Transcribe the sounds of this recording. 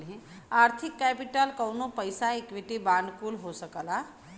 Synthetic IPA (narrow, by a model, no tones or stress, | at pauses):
lɦɛ̃ | aːɾt̪ʰɪkːɛpɪʈəlkəwnopəjsaekʋɪʈibãːnɖ̪kuːlɦosəkəla